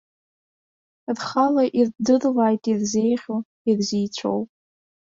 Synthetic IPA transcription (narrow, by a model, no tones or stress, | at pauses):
dχalaʔirdɨrlajtʼirze̞jχʲo | irzijt͡ɕʷʰo̰wpʼ